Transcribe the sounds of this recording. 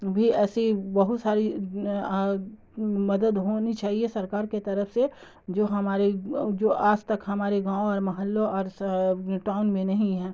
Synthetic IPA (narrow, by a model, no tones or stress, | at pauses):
bʱiɛːsibɐɦʊt̪saːɾi | mɐd̪əd̪ɦoːnit͡ʃaːɦiesɐɾkaːɾket̪ɐɾəfse | d͡ʒoːɦɐmaːɾed͡ʒoːʔaːd͡ʒt̪ɐkɦɐmaːɾeɡãːõɔːɾmɐɦəlːoɔːɾ | ʈaːʊnmẽnɐɦĩɦɛ̃ː